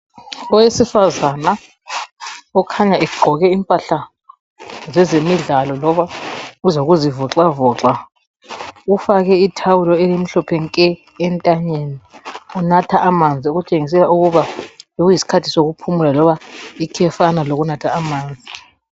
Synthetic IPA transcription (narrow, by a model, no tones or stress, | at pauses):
ɔwesifazana | ɔkʰaɲaɛɡ͡ǃʱɔɣɛimpʼaɬa | zɛzemiɮalɔlɔβauzoɣuzivɔǁavɔːǁa | ufaɣɛitʰawulɔelim̩ɬɔpʰɛŋkʼɛː | ntʼaɲeniunatʰaʔːmand͡zʱiuɣut͡ʃʼeŋis̬ɛlauɣuβajoɣujisi̥kʰatʰisoɣupʰumulalɔβaikʰɛfanaloɣunatʰaːmaːnd͡zʱi